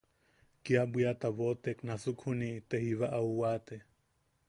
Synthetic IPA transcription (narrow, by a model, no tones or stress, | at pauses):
kiabwiat̪aβot̪eknasukʰhunit̪ehiβaʔauwat̪e